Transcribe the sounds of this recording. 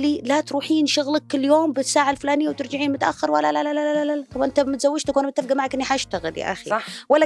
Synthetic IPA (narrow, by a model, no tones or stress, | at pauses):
lilat̪ɾuːħiːnʃʊɣlakːɪlːjoːmbɪsːaːʕalflaːnɪjːawt̪ɪɾd͡ʒɪʕiːnmʊt̪aʔa̰xːɪɾwalːalalalaalalalakamʔɪnt̪amɪt̪zawːɪd͡ʒt̪akuːnmɪt̪ːɪfɡamaʕakʔɪnːiħaʔɪʃt̪aɣɪ̰lja̰ʔa̰xiɑwalːa